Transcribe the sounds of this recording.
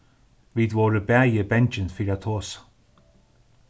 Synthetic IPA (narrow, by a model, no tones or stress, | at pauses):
viːd̪wɔːɹəbɛːjəbɛnd͡ʒənfiɾat̪ʰoːs